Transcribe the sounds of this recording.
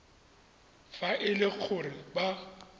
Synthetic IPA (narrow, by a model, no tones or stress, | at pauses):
faʔɪlɪk͡xʰʊrɪba